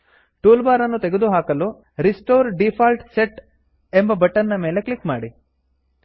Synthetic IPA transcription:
ʈuːlbaːɾɐnːut̪eɡed̪uɦaːkɐlu | ɾisʈoːɾɖipʰaːlʈseʈ | embɐbɐʈːɐnnɐme̞ːleklikmaːɽi

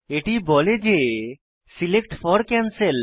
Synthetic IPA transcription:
eʈibɔled͡ʒe | silekʈfʰɔɾkansel

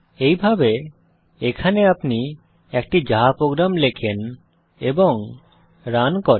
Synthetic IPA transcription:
ejbʱabe | ekʰaneapni | ɛkʈid͡ʑaɦapɾoɡɾamlekʰen | eboŋ | ɾankoɾ

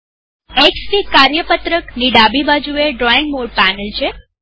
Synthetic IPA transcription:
eksʈikaɾjəpət̪ɾəkniɖabibad͡ʒueɖɾɔiŋɡmoɽ̚pænəlt͡ʃʰe

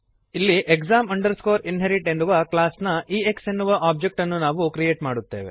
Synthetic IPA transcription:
ilːiʔekzaːmɐɳɖɐɾsko̞ːɾinɦeɾiʈe̞nːuʋɐklaːsnɐʔiːeksenːuʋɐʔaːb̚d͡ʒek̚ʈɐnːunaːʋukɾije̞ːʈmaːɽut̪ːe̞̰ːʋe̞̰

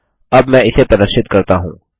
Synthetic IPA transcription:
ɐbmɛ̃ɪsepɾɐd̪əɾʃɪt̪kɐɾt̪aɦṵ̃ː

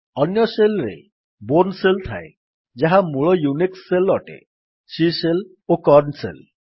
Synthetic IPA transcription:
ɔnjɔselɾḛ | boɾnselt̪ʰa̰e | d͡ʒaɦamuɭɔjuniksːelɔʈḛ | sisel | okɔɾnsḛl

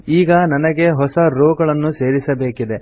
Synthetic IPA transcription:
iːɡɐnɐnɐɡe̞ɦɔsɐɾoːɡɐɭɐnːuse̞ːɾisɐbe̞ːkid̪e̞

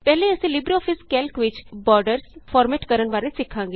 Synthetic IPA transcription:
pɛɦleəsĩːlɪbɾiɔːpʰɪskɛːlkʋɪt͡ʃbɔːɾɖəɾspʰɔːɾmeːʈkəɾənbaːɾesɪkʰːãːŋɡe

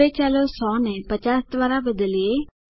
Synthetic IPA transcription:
et͡ʃaːlosɔːnɛpət͡ʃaːsd̪ʋaːɾabəd̪əlie

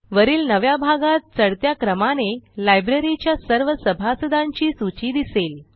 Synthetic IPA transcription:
ʋəɾiːlnəʋjabʱaɡat̪̚t͡səɽt̪jakɾəmanelajbɾeɾit͡ɕjasəɾʋəsəbʱasəd̪ãɲt͡ɕiːsut͡ɕiːd̪isel

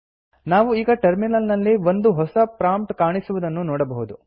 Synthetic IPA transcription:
naːʋuiːɡɐʈɐɾminɐlnɐlːiʋond̪uɦɔsɐpɾaːmpʈkaːɳisuʋud̪ɐnːunɔːɽɐbɐɦud̪u

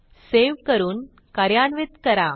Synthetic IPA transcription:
seʋkəɾuːn | kɐɾjaːnʋit̪kəɾa

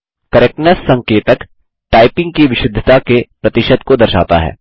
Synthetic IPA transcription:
kɐɾeknəssɐ̃ŋkeːt̪ək | ʈaːɪpɪ̃ŋɡ̚kiʋɪʃɪd̪ʱət̪akepɾɐt̪ɪʃəd̪kod̪ɐɾʃa̰ːt̪a̰ɦɛ̰ː

